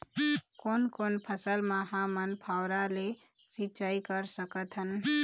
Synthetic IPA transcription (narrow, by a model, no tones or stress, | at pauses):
koːnkoːnpʰəsəlmaɦãmənpʰaʊɾale | sit͡ʃaikəɾsəkət̪ʰɦən